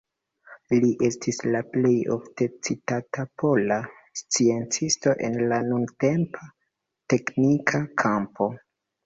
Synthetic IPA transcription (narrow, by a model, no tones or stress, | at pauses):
liʔe̞stʰislaple̞jo̞̰fte̞t͡sitatapʰo̞la | st͡sie̞nt͡sisto̞ʔe̞nlanunte̞mpa | te̞knikʰakʰampʰo̞